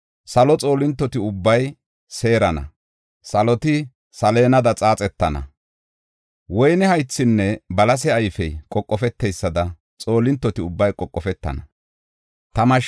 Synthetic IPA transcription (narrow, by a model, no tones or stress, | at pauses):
sɐlɔt͡sʼo̞ːlɪnt̪ːɔt̪ɪʊbːɐj | se̞ːɾɐnɐ̰ | sɐlɔt̪ɪ | sɐle̞ːnɐd̪ɐt͡sʼaːt͡sʼɛt̪ːɐnɐ̰ | wɔjnɛhɐjt͡sːɪnːɛbɐlɐs̬ɛɐjfɛjkʼɔkʼːɔfɛt̪ːɛjsːɐd̪ɐ | t͡sʼo̞ːlɪnt̪ːɔt̪ɪʊbːɐjkʼɔkʼːɔfɛt̪ːɐ̰nɐ | t̪ɐmɐʃ